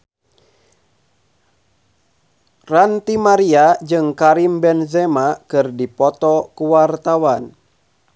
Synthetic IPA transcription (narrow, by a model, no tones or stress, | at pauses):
rant̪imaɾiad͡ʒɨŋkaɾimbɛnzɛmakɨrdipɔt̪ɔkuwart̪awan